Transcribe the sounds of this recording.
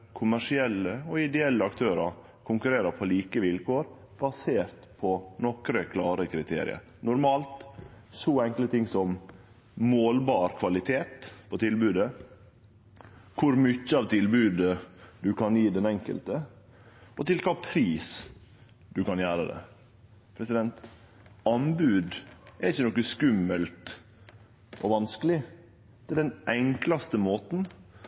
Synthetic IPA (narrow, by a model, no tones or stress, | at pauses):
kʰʊmæʂɪɛlːəɔɪd̪ɛɛlːəɑkt̪ʰøːɾɑɾ | kʰʊŋkʉɾeːɾəpʰɔliːkəʋɪlkʰoːɾ | b̥ɑseːɾt̪pʰɔnɔkɾəkʰlɑːɾəkʰɾɪt̪ʰḛːɾɪ̰ə̰ɾ | nʊɾmɑːlt̪ | sɔɛŋklət̪ʰɪŋːsɔm | moːlbɑːɾkʰʋɑlɪt̪ʰeːt̪pʰɔt̪ʰɪlbʉːd̪ə | kʰʊɾmʏçəɑʋt̪ʰɪlbʉːd̪əd̪ʉkʰɑniːd̪ɛnɛŋkə̰lt̪ə | ɔt̪ɪlkʰɑːpʰɾiːs | d̪ʉkɑnjæːɾəd̪ɛ̰ | pʰɾɛsɪd̪ɛnt̪ | ɑnbʉːd̪ɛɾɪçːənɔkːəskʉmːəlt̪ | ʔɔʋɑnskəlɪ | t̪ʰɪld̪ɛnʔɛŋklɑst̪əmoːt̪n̩